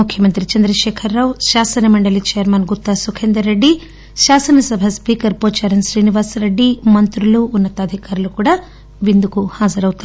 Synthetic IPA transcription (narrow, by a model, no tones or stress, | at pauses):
mukʰjɐmɐnt̪ɾit͡ʃɐnd̪ɾɐʃɛːkʰɐɾːaːwʃaːsɐnɐmɐɳɖɐlit͡ʃɛjɐɾmɐnɡut̪ːasukʰeːnd̪ɐɾeɖːi | ʃaːsɐnɐsɐbʱɐspiːkɐɾpoːt͡ʃaːɾɐnʃɾiːniʋaːsɾeɖːimɐnt̪ɾuluːnːɐt̪ːɐːd̪ʱikaːɾulukuːɽaː | ʋind̪ukuhaːd͡ʒɐɾɐwut̪ua